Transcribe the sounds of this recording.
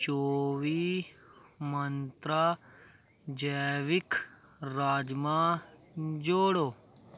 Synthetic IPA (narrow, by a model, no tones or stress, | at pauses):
t͡ʃoːʋi | mɐnt̪ɾa | d͡ʒɐʋik | ɾaːd͡ʒmã | d͡ʒoːɽoː